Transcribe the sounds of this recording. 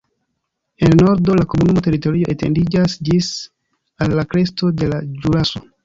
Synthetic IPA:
elno̞ɾdo̞lako̞munumoteɾito̞ɾio̞ʔetendid͡ʒasd͡ʒis | alːakɾe̞sto̞de̞lad͡ʒuɾaso̞

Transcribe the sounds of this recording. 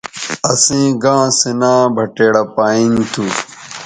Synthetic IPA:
ɐsĩːɡãːsinãːbʱɐʈeːɽɐpaːĩŋt̪ʰu

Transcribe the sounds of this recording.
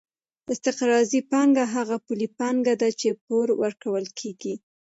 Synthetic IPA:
ɪst̪ɪqɾɑzipɑŋɡaɦaɣapulipɑŋɡad̪at͡ʃep̚oɾwəɾkawəlkʰeɡi

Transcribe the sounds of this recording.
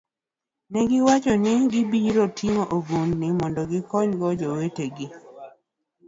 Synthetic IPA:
nɛɡɪwat͡ʃɔnɪɡɪbiɾotʰiŋoʔoɡunnimɔndɔɡɪkɔɲɡɔd͡ʒɔweteɡɪ

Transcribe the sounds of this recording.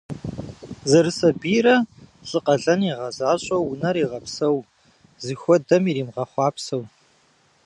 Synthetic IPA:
zɐrɨsɐbiːɾɐɬʼɨqɐɮɐniʁɐzaːɕʼɐwːʊnɐɾiːʁɐpsɐw | zɨxʷɔdɐmiːɾiːmʁɐχʷɑːpsɐw

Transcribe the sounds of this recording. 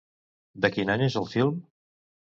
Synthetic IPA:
d̪əkinaɲezəlˠfilˠm

